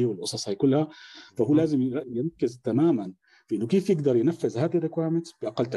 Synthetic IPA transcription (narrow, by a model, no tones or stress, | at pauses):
wɪlʔʊsˤɑsˤhajkʊlːhafahuːlaːzɪmjɪɾakːɪzt̪amaːman | fiʔɪnːʊkeːfjɪɡd̪ɑɾˤjɪnafːɪzhaːd̪ɪrːɪkwaːɾmɪt̪b̥ɪʔaqalːt̪a